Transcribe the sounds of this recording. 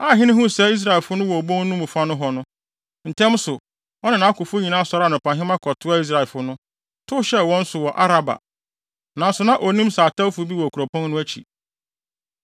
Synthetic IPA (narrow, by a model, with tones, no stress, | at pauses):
a˦˨ɦɪ̃˦nɪ̃˦hʊ̃˦˨sɛ˦i˦s̬ɾa˨ɛ˨lfʊ˦nʊ̃˦wɔ˨bõ˦n˦nʊ̃˦mũ˨fa˦nʊ̃˦ɦɔ˨nʊ̃˦ | n̩˨tʰɛ̃˦msʊ˨ | wɔ˦nɪ̃˨nã˨˦a˦kʊ˨fʊ˦ɲĩ˨nã˦sɔ˨ɾa˦nʊ̃˨pʰã˨ɦɪ̃˦mã˦kʰɔ˨tʰʊ˦a˦i˦s̬ɾa˨ɛ˨lfʊ˨˦nʊ̃˦ | tʰʊ˦ɕɛ˦wɔ̃˦n̩˦sʊ˨wɔ˨ʔa˦ɾa˨ba̰˨ | nã˨˦sʊ˨nã˦ʔo˨nĩ˦msaː˨ta˦fʊ˦bi˦wɔ˨kʰu˨ɾo˨pʰɔ̃˦nnʊ̃˦æ˦t͡ɕʰḭ˨